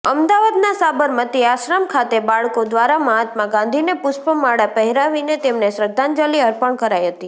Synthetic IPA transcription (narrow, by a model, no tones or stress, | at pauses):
əmd̪aʋad̪nasabəɾmət̪iaʃɾamkʰat̪ebaɭkod̪ʋaɾaməɦat̪mãɡãnd̪ʱinepʊʃpəmaɽapəɦɛɾaʋinet̪emneʃɾəd̪ʱːãnd͡ʒaliəɾpəɳkəɾajɦət̪i